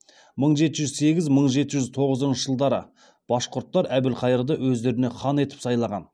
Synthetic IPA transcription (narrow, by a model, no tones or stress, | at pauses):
məɴʒe̞t̪ɪʒʏzse̞ɡʲɪzməɴʒe̞t̪ɪʒʏzt̪ʰo̞ʁəzənʃəʒ̥əlˠd̪ɑɾə̰ | b̥ɑsqʰʊɾt̪ːɑɾæbɪlqʰɑjəɾd̪əwɵzd̪e̞ɾɪne̞χʰɑne̞t̪ɪ̥psɑjlˠɑʁɑ̰n